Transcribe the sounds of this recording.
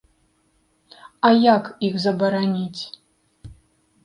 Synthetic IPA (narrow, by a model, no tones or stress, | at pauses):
ajakʰixzɐbɐɾanʲitʲ